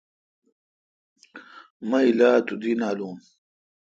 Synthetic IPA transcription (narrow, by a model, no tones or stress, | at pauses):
mɐilaːt̪ud̪inaːluːm